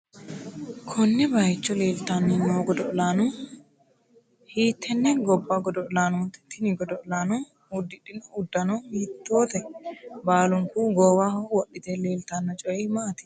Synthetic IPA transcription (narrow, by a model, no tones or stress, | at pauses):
kʰɔnːɛbɐjɪt͡ʃːɔle̞ːlt̪anːɐnoːɡɔd̪ɔʔlaːnʊ | hiːt̪ʰːɛnːɛɡɔbːaɡɔd̪ɔʔlaːnɔnt̪ɛ̥t̪ːɪnɪɡɔd̪ɔʔlaːnɔ | ʊd̪ːɪᶑːɪnɔʊd̪ːɐnɔhiːt̪ːoːt̪ɛbaːlʊŋkuɡoːwaːhwɔɗːɪt̪ɛle̞ːlt̪anːɐt͡ʃʼɔɛmaːt̪ɪ̥